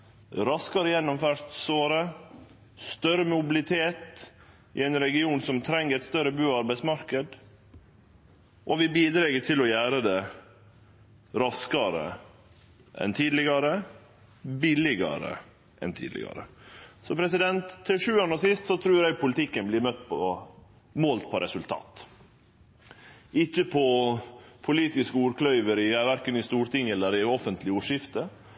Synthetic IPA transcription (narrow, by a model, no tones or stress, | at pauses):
ɾɑskɑɾəjɛnːɔmfœʂt̪soːɾə | st̪œɾəmʊbɪlɪt̪ʰeːt̪ | ɪ̰ɛɪnɾɛɡɪuːnsɔmt̪ʰɾɛŋːəɾɛt̪st̪œɾəbʉːɑɾbæɪsmɑɾkəd̪ | ʔɔʋɪbiːd̪ɾɛɡət̪ʰɪlɔjæːɾəd̪ɛ | ɾɑskɑɾə̰ | ʔɛ̰nt̪ʰiːd̪lɪɡɑɾə | bɪlɪɡɑ̰ɾə̰ | ʔɛ̰nt̪ʰḭːd̪lɪ̰ɡɑ̰ɾə̰sɔpʰɾɛsɪd̪ɛnt̪ʰːɪlʂʉːɑnːəsɪst̪sɔt̪ʰɾʉːɾæɪpʰʊlɪt̪ʰɪkːənblɪɾmœt̪ːpʰɔ | moːlt̪̚pʰɔɾɛsʉlt̪ʰɑ̰ːt̪ | ɪçːəpʰɔ | pʰʊliːt̪ɪskəuːɾkʰlœʏʋəɾɪjæːʋæɾkənɪst̪uːɾʈ̪ɪŋːɛlːəɾɪɔfənt̪ʰlɪuːʂɪft̪ə